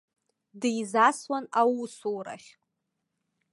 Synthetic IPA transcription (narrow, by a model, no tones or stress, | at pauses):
djzaswanawusowɾa̰χʲ